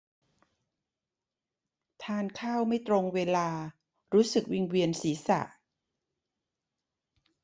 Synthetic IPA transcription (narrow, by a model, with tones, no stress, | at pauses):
t̪ʰaː˧˩nkʰaː˥˩wma˥˩jt̪ɾo˧ŋweː˧laː˧ | ɾuː˦˥sɯ˨˩k̚wi˧ŋwi˧ənsiː˩˦sa̰˨˩ʔ